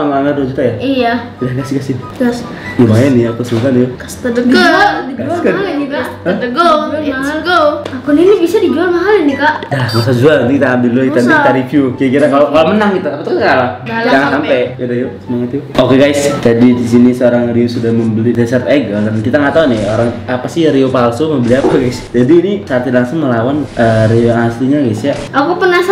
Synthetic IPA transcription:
amaaŋaduad͡ʒut̪ajaija | udahɡasɡasjoɡas | ɡumajanɪakasuk̪anijokḁst̪ədəədiɡaaskaalniɡa | t̪əɡoaɦalɡoakuninibisadid͡ʒualmaɦalinɪkaʔdahmasad͡ʒualant̪ukit̪aːmbɪlluit̪aikit̪aɾifiukiakiɾakalokalomənaŋkit̪aːpat̪ukɾalad͡ʒaŋansampeudaiosəmaŋət̪juokeɡajsd͡ʒadidisinisəoɾaŋriosudahməmbəlidɛsərt̪eɡɔɡankit̪aŋat̪aunɪhoɾaŋapasɪhɾiopalsoməmbəliapaɡajsd͡ʒadiːnisart̪ilaŋsʊŋməlawanəɾioasliɲaɡajsjaʔakupənas

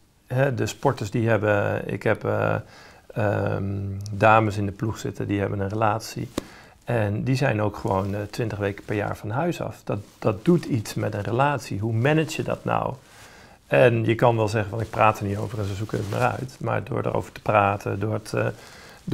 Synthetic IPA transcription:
ɦɛdəspɔɹtəsdiɦɛbəɪ̰kɦɛpː | ə | daːməsɪndəpluχsɪtədiɦɛbənənrəlaːtsḭ | ɛndizɛjnowkχəʋowntʋɪntəχʋejkə̥pɛɹja̰ːɹfɑnɦœɥsɑ̰fd̥ɑtd̥ɑt̚dutʰitsmɛtənrəlaːtsiɦumɛnət͡ʃjədɑ̰tna̰w | ɛnjəkɑnʋɛlˠzɛχənfvɑnɪk̚praːtəɹnitowvərənsəsukənətma̰rœ̰ɥtma̰ːɹdʊ̰ːɹdə̰ro̰wvə̥ɹtə̥praːtʰə̰ndʊːt

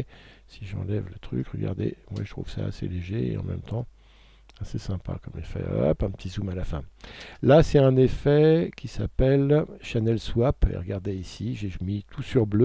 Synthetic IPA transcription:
siʒɑ̰̃lɛvlət̪χy̰kʁəɡa̰ʁd̪emwa̰ʒət̪χuv̥sa̰ːseleʒeeɑ̰̃mɛ̰mt̪ɑ̃ | asesɛ̃pa̰kɔmefɛ̰a̰pɛ̃pə̥t̪ʰizumalafɛ̃lasɛt̪ɛ̃nefɛkʲisapɛlʃanɛlswapḛʁəɡaʁd̪eisiʒeʒmit̪ʰusyʁblø

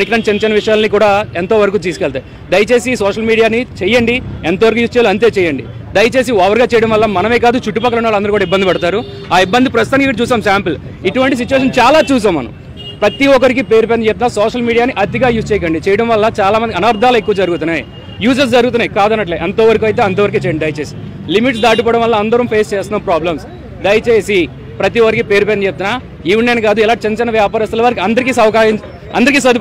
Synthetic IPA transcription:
nikɾɐnt͡ʃent͡ʃɐnɐʋiʂɐjaːlnikuːɽaːent̪oːʋɐɾɐk̬uːt̪̬iːsukɛɭt̪aːj | d̪ɐjɐt͡ʃe̞ːsisɔːʂɐlmiːɽijaːnit͡ʃɛjɐɳɖient̪oːʋɐɾɐkuːjuːst͡ʃɛjalɐnt̪̬e̞ːt͡ʃɛːjɐɳɖḭ | d̪ɐjɐt͡ʃe̞ːs̬iɐʋɐɾɡaːt͡ʃɛjɽɐmʋɐlːɐmɐnɐmeːk̬aːd̪ut͡ʃuʈːupɐk̬ːɐlunːaːlɐnd̪ɐɾkuːɽaɐibːɐnd̪ipɐɽɐt̪aːɾu | aːibːɐnd̪ipɾɐst̪ut̪aːnikikɐɽɐt͡ʃuːsaːmsaːmpɐl | iʈuʋɐɳʈis̬it͡ʃuʋeːʂ̬ɐnt͡ʃaːlaːt͡ʃuːs̬aːmːɐ̰nɐ̰m | pɾɐt̪iɔk̬ɐɾik̬ipe̞ːɾup̬eːnɐt͡ʃep̚t̪unaːsɔːʂɐlmiːɽijaːniʔɐt̪̬iɡaːjuːst͡ʃɛːjɐkɐɳɖit͡ʃɛːjɐɽɐmʋɐlːɐt͡ʃaːlaːmɐnd̪iɐnaːɾd̪ʱaːlɐekːuʋɐd͡ʒɐɾuɡut̪unːaːj | juːsɐs̬d͡ʒɐɾuɡut̪unːaːjikaːd̪ɐnːɐʈ̬leːʔɐnt̪oːʋɐɾɐkuɐjt̪e̞ːɐnt̪oːʋɐɾikit͡ʃɛjɳɖɐjt͡ʃeːsi | limiʈsd̪aːʈipɔːɽɐ̃mʋɐlːɐɐnd̪ɐɾɐmpʰeːst͡ʃeːst̪unɐpɾaːblɐms | ɖɐjt͡ʃe̞ːsi | pɾɐt̪iɔkɐɾikipe̞ːɾupent͡ʃep̚t̪unaː | jiʋnejnɐkaːd̪uɛlaːt͡ʃenɐt͡ʃɐnɐʋjaːpaːɾist̪ɐlɐʋaːɾɐkiɐnd̪ɐɾik̬isɐʋɐkaːjɐ | ɐ̰nd̪ɐɾikiːsɐd̪i

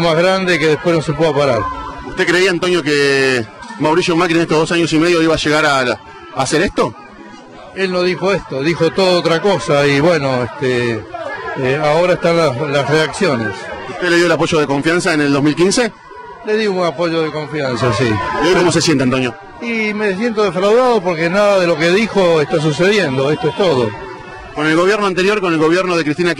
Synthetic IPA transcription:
mazɣɾand̪ekeðepwenosepweðopaɾaɾut̪e̞kɾe̞iaːnt̪o̞njo̞ke | mawɾisjomakɾinet̪oɦðos̬aɲosimeð̞joiβaʃe̞ɣaɾa | aseɾeht̪o̞ | elnoðixo̞est̪oðixo̞t̪oðoot̪ɾakosaiβweno̞est̪e | aoɾaest̪anlalasreaksjonesut̪eleðjoelapo̞ʒoð̞eko̞ɱfjansaeneld̪o̞ɦmilkinse | le̞ðiuŋapoʒoðekõ̞ɱfjansasiojkkomoses̬jent̪eant̪o̞njo | imes̬jent̪oðefɾawðaðopoɾkenaðaðelo̞keðixoest̪as̬useðjend̪oest̪oest̪oðo | ko̞nelɣo̞βjeɾnoant̪eɾjo̞ɾkonelɣo̞βjeɾnoð̞e̞kɾist̪inak

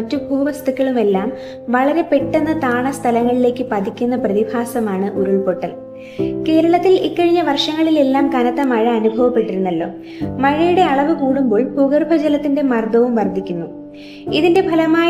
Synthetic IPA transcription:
ɐtːubʱuːʋɐst̪ʰɐkʲːɐɭume̞lːaːm | ʋɐɭɐɾe̞pe̞ʈːɐnːɐt̪aːɳɐst̪ʰɐlɐŋːɐɭile̞ːkːɨpɐd̪ikʲːunːɐprɐðibʱaːsɐmaːɳɨʔoɾuɭpo̞ʈːɐl | ke̞ːɾɐɭɐt̪ːilikːɐɻiɲːɐʋɐrʂɐŋːɐɭile̞lːaːmkɐnɐt̪ːɐmɐɻɐɐnubʱɐʋɐpːe̞ʈːiɾunːɐlːo̞̰ː | mɐɻɐjuɽe̞ɐɭɐʋɨkuːɽumbo̞ːɭbʱuɡɐrbʱɐd͡ʑɐlɐt̪ːinde̞mɐrd̪ɐʋumʋɐrd̪ʱikʲːunːu | iðinde̞bʱɐlɐmaːj

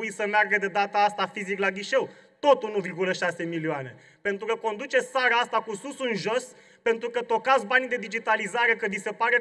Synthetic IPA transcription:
uisəmearɡəd̪e̞d̪at̪aast̪afiziklaɡʲiʃe̞wt̪o̞t̪unuvirɡuləʃase̞milioane̞̰ | pe̞nt̪ɾukəko̞nd̪ut͡ʃe̞t̪saɾaast̪akususunʒo̞s | pe̞nt̪ɾukət̪o̞kat̪sʲbanid̪e̞d̪id͡ʒit̪alizaɾe̞kəvise̞paɾe̞

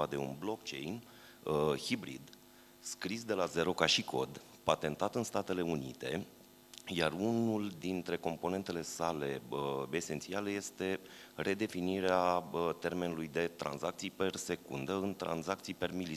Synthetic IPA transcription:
ad̪e̞ṵnblo̞kt͡ʃe̞̰jn | hibɾḭd̪ | skɾisd̪e̞laze̞ɾo̞kaʃikʰo̞̰d̪ | pat̪e̞nt̪at̪ɨnst̪at̪e̞le̞unḭt̪e̞ | jarunuld̪int̪ɾe̞ko̞mpo̞ne̞nt̪e̞le̞sale̞əe̞se̞nt̪sialəje̞st̪e̞rʔe̞d̪e̞finiɾeaət̪e̞rme̞nulujd̪e̞t̪ɾa̰nzak̚t̪sijpe̞rse̞kund̪əɨnt̪ɾa̰nzak̚t̪sijpe̞rmili

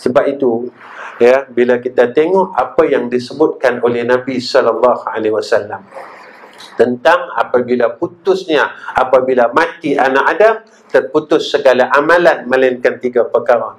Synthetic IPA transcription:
səbap̚it̪u | jabilakit̪at̪eŋɔʔapajaŋdisəbʊt̪̚kanolɛhnãbisɔlalːɑhalewasalːam | t̪ənt̪aŋa̰pabilaput̪ʊsɲaʔapabilamãt̪iʔanaʔadam | t̪ərput̪ʊsːəɡalaʔamãlanmə̃lajinkant̪iɡapəkaɾan

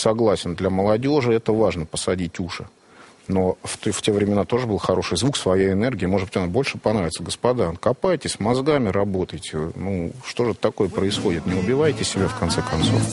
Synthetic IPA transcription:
sɐɡlˠasʲɪnd̪lʲɐməlˠɐdʲo̞ʐɨɛt̪əvaʐnəpəsɐdʲitʲuʂɨ | no̞ft̪ftʲevɾʲɪmʲɪnat̪o̞ʐɨbɨlˠxɐɾo̞ʂɨjzvuksvɐjajɪnɛrɡʲɪəmo̞ʐɨd̪bɨtʲɐnabo̞lʲʂɨpɐnɾavʲɪt̪səɡəspɐd̪ankɐpajtʲɪsʲmɐzɡamʲɪɾɐbo̞t̪əjtʲɪnuʂt̪o̞ʐɨt̪ɐko̞jəpɾəɪsxo̞dʲɪt̪nʲɪʊbʲɪvajtʲɪsʲɪbʲafkɐnt̪sɛkɐnt̪so̞̰f

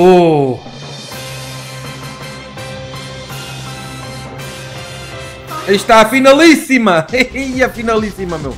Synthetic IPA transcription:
o | iʃt̪afinalˠisimɐɐfinalˠisimɐmḛw

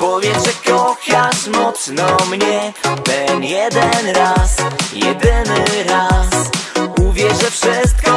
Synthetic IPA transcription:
pɔvʲjɛʐɛkɔxjaʂmɔt̪snɔmɲɛt̪ɛnjɛd̪ɛnɾasjɛd̪ɘnɘɾasuvʲjɛʐɛfʂɘs̬t̪̚kɔ

